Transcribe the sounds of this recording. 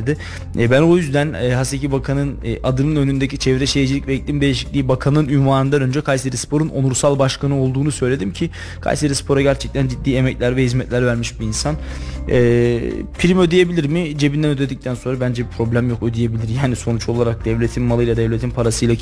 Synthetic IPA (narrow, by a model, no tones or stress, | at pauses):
d̪ɪ | bæno̞jyzd̪ænːɦasecʰibakʰanɯnʔad̪ɯnɯnø̞nynd̪ecit͡ʃʰevɾɛʃejd͡ʒilʲicvɛc̚t̪ʲiːmd̪e̞liʃi̥cʲlʲiːbakʰanɯnynvaːnɯnd̪anø̞nd͡ʒɛkʰajseɾispʰo̞ɾuno̞nuɾsalˠbaʃkʰanɯo̞lˠd̪uːnusø̞jlʲe̞d̪imcʰi | kʰa̰jseɾispʰo̞ɾaɟæɾt͡ʃʰɛc̚t̪ʰænd͡ʒid̪ːiːemɛclʲæɾvɛhizmɛt̪lʲæɾvæɾmiʃbiːnsanɛːpʰiɾimø̞d̪eje̞bilʲiɾmɪd͡ʒe̞bind̪ænød̪ed̪ic̚t̪ʰænso̞nɾabænd͡ʒɛbipʰɾo̞blʲæmjo̞kød̪ije̞bilʲiɾjaːniso̞nut͡ʃʰo̞lˠaɾak̚d̪ɛvlʲe̞t̪ʰinmalˠɯjlˠad̪ɛvlʲe̞t̪ʰinpʰaɾasɯjlˠa